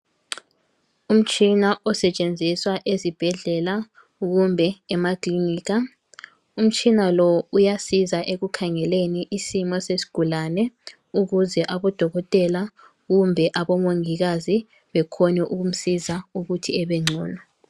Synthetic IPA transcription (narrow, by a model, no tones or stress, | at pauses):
um̩t͡ʃʼinaʔɔsɛt͡ʃʼend͡zʱiswaʔezib̥ʱɛɮɛla | uɣumbʱɛːmakʼliniːɣa | um̩t͡ʃʼinalɔujasizaʔeɣukʰaŋɛleniʔisimɔsesi̥ɡ̥ʱulanɛ | uɣuzɛʔaβɔd̥ʱɔɣɔtʼɛla | ɣumbʱɛʔaβɔmoŋiɣ̬azi | βɛkʰɔnɛʔuɣum̩sizauɣutʰiɛβɛŋ͡ǀʱṵːlɔ